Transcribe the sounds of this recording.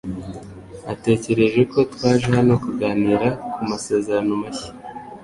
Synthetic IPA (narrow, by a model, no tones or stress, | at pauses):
ate̞ːce̞ɾe̞ʒeko̞twaːʒehano̞kuɡaːniːɾakumase̞ːzeɾanomaçi̥